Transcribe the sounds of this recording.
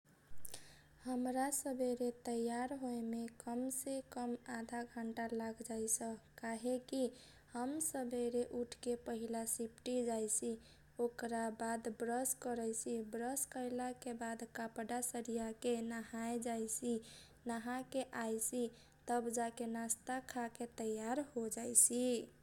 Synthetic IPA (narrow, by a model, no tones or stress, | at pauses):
həmɾasəbʱeɾet̪əjaɾɦoemekəmsekəmad̪ʱaɡʱəɳʈalaɡd͡ʒajsəkaɦeki | həmsəbʱeɾeʔuʈʰkepəɦilasipʈid͡ʒajsi | okɾabad̪bɾəskəɾəjsibɾəskəjlakebad̪kapɖasəɾijakenaɦaed͡ʒajsi | naɦãkeʔajsi | t̪əbd͡ʒakenast̪akʰaket̪əjaɾhod͡ʒajsi